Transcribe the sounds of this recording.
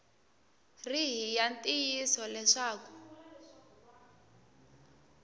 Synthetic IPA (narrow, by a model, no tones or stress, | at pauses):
riɦijantʼijisɔlɛʂaːku